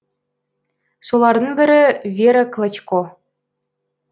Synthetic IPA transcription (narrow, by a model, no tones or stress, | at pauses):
sulˠɑrnɤnbʲɘ̆ɾʲɘ̆vʲeɾʲɘ̆klˠɤ̆t͡ɕko